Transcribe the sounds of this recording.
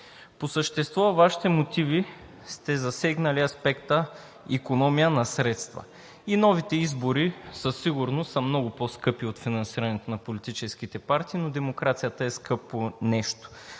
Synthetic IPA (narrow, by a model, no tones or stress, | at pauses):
posəʃt̪ɛst̪vɔvaʃi̥t̪ɛmot̪ivi | st̪ɛzɐsɛɡnəliɐspɛkt̪ə | ikonɔmijənɐsɾɛt̪st̪vɐ̰ | inɔvit̪ɛizboɾisəsːiɡʊɾnosəmnɔɡʊpɔskɤpiot̪finɐnsiɾɐnɛt̪onɐpolit̪it͡ʃɛsk̟it̪ɛpaɾt̪iːnod̪ɛmokɾat̪sijət̪əɛskɤponɛʃt̪o̥